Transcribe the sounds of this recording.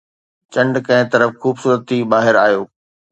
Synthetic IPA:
t͡ɕɐ̃ɳɖkɐ̃ɦɪ̃t̪ɐɾəfxuːbsuːɾət̪ːibaːɦɪɾaːjoː

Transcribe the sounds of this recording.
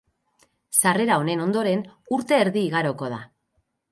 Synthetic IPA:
sare̞ɾao̞ne̞no̞nd̪o̞ɾe̞nuɾt̪e̞ːɾðiːɣaɾo̞ko̞ð̞a̰

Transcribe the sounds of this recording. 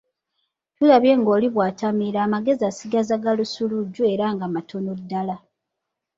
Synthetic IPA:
tulaβje̞ŋɡo̞ːliβwaːtamiɾaːmaɡe̞ziasiɡazaɡalusuluɟːue̞ɾaŋɡamatʰo̞no̞dːala

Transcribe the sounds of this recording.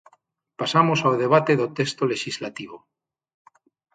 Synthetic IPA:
pasamosawð̞e̞β̞at̪e̞ðot̪est̪ole̞ʃizlat̪iβ̞o

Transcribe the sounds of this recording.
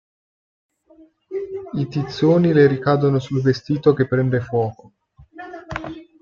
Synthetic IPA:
it̪it̪sːoːnileɾikaːd̪onosulvest̪iːt̪ok̟epːɾɛnd̪efwɔːko

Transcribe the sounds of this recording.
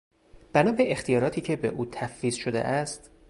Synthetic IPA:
b̥ænɒːbeext̪ijɒːɾɒːt̪ʰiːcʰe̞be̞ʔuːt̪ʰæffiːzʃod̪e̞̰ʔæst̪

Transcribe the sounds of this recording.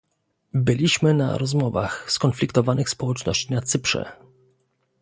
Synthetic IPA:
bɘlʲiɕmɘna̰ɾɔzmɔvaxskɔnflʲikt̪ɔvanɘxspɔwɛt͡ʂnɔɕt͡ɕinat̪sɘpʂɛ̰

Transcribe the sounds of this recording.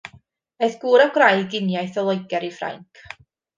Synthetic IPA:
ejθɡ̥uːɾaɡrajɡɪnjajθɔlˠoɨɡɛɾifra̰jŋkʰ

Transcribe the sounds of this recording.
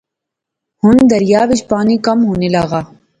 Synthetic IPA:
hʊnd̪ɐɾɪjaːʋɪd͡ʒpaːnikɐmɦoːnelaːɣaː

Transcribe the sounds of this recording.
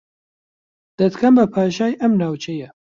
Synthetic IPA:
d̪̥ɐt̪kʰɐmbɐpʰaːʃaːjʔɐmnaːwt͡ʃʰejɛ

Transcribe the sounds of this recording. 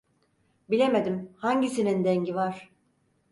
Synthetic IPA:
bilʲe̞med̪imhaɲɟisinind̪ɛɲɟivaɾ̥

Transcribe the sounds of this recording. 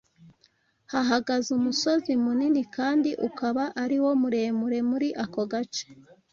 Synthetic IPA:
haɦaɡazumuso̞zimuninikaːndiʔṵkaβaʔaɾiwo̞muɾe̞ːmuɾe̞muɾiʔako̞ɡat͡ʃe̥

